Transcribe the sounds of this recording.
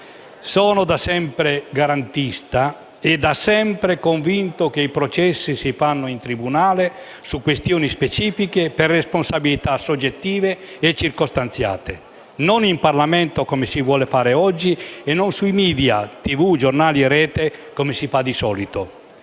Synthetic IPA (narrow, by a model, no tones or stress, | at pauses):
sɔːnod̪asɛmpɾeɡaɾant̪ist̪a | ed̪asɛmpɾekoɱvint̪okeipɾot͡ʃɛsːisifanːoint̪ɾibunaːle | sukːwest̪joːnispet͡ʃiːfikeperːesponsabilit̪asod͡ʒːet̪ːiːveː | t͡ʃːirkost̪ant̪sja̰ːt̪e | nonimparlamɛnt̪okomesivwɔːlefaːɾeɔd͡ʒːienːonsuimiːd̪jat̪ivud͡ʒornaːliɛɾɛːt̪ekomesifad̪isɔːlit̪o